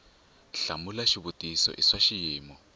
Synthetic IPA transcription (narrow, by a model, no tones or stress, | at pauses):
ɬamulaʃiβutisɔ̰ʔiʂaʃijiːmɔ